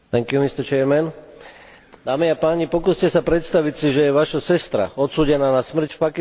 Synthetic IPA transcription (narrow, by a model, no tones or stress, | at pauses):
t̪ɛŋkjumist̪əɾt͡ʃɛɾmɛn | d̪aːmiapaːɲipɔkuːscɛsapɾɛt̪st̪aʋicsiʒɛjɛʋaʃasɛst̪ɾa̰ɔt̪suːɟɛnaːnasmr̩cfpaki